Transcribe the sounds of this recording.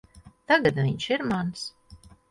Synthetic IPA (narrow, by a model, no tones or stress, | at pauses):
t̪aɡat̪vʲiɲʲʃiɾmans